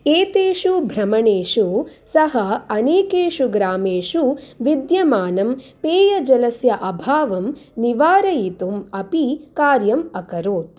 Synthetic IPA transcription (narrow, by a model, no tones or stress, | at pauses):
eːt̪eːʃubʱɾɐmɐɳeːʂusɐɦɐɐneːkeːʂuɡɾaːmeːʂuʋid̪jɐmaːnɐmpeːjɐd͡ʒɐlɐsjɐʔɐbʱaːʋɐmniʋaːɾɐjit̪umɐpikaːɾjɐmɐkɐɾoːt̪